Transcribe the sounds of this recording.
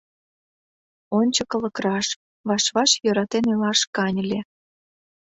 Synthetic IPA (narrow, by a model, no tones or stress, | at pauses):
onʲt͡ɕəkə̆lə̆krɑʃ | βɑʃβɑʃjøɾɑt̪enelɑʃkɑnʲə̆lʲe